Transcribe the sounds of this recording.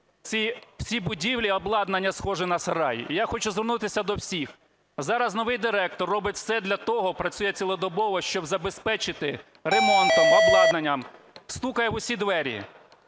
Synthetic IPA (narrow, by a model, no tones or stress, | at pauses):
t͡sʲiw̥sʲibʊdʲiwlʲiɔblˠɑd̪nɐnʲːɐsxɔʒɛnɐsɾɑj̰ijaxɔt͡ʃʊzʋernut̪ɪsʲɐd̪ɔwsʲix | zɑɾɐznɔʋɪjd̪ɪɾɛk̚t̪ɔrːɔbɪtʲwsɛd̪lʲɐt̪ɔɦɔpɾɐt͡sʲujɛt͡sʲilˠɔd̪ɔbɔʋɔʃt͡ʃɔbzɐbespɛt͡ʃɪt̪ɪ | ɾemɔnt̪ɔmɔblˠɑd̪nɐnʲːɐm | st̪ukɐjɛʊsʲid̪ʋɛɾʲḭ